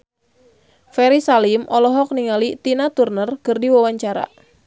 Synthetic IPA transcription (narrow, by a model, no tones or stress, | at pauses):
fɛɾisalimʔɔlɔɦɔk̚niŋalit̪inat̪urnərkɨrdiwawaɲt͡ʃaɾa̰